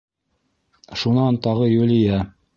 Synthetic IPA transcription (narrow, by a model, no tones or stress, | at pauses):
ʃunɑnt̪ɑʁɤjulɪjæ